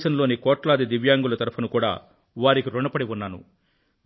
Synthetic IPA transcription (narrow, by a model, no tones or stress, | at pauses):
ʃɐnlo̞ːnikɔːʈlaːd̪id̪iʋjaːŋɡulɐt̪ɐɾɐpʰɐnukuːɽa̰ː | ʋaːɾikiɾuɳɖɐpɐɽiʋunːaːnṵ